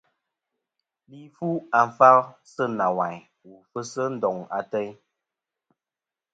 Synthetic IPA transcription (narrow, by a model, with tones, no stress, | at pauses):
li˦fu˦a˨m˨fa˦lsə˦na˨wa˨j | wu˨fə˦sə˦n̩˦dɔ˨ŋa̰˨tə˦j